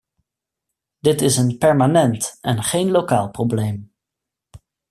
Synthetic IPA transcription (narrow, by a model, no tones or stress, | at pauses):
dɪtɪsənpɛɹmanɛntɛnχejnlokaːlˠprowblejm